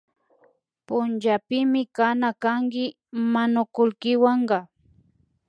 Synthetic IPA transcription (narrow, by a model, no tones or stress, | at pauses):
pʊnt͡ʃapɪmɪkanakaŋkɪ | manʊkʊlkɪwaɴɢɑ